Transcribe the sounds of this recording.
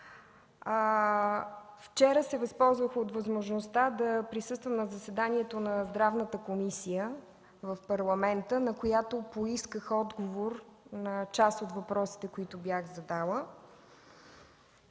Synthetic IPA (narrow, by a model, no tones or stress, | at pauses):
ft͡ʃɛɾəsɛvɐspɔlˠzvəxot̪vəzmoʒnost̪ad̪ɐpɾisɤst̪vəmnɐzəsɛd̪aniɛt̪onɐzd̪ɾavnət̪əkomisijə | vəfpɐɾlˠɐmɛnt̪ənɐkojat̪opoiskəxɔd̪ɡovoɾnɐt͡ʃast̪ot̪vɐpɾɔsi̥t̪ɛkoit̪ʊbjaxzɐd̪alˠə